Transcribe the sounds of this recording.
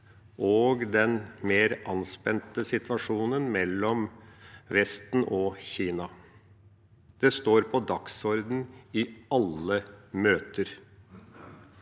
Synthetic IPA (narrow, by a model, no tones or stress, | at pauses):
ʔoːɡd̪ɛnmeːɾʔɑnspɛnt̪əsɪt̪ʋɑʂuːnənmɛlːɔmʋɛst̪n̩ʔɔçiːnɑ | d̪̥ɛst̪oːɾpʰɔd̪ɑksɔɾd̪n̩ɪɑləmøːt̪əɾ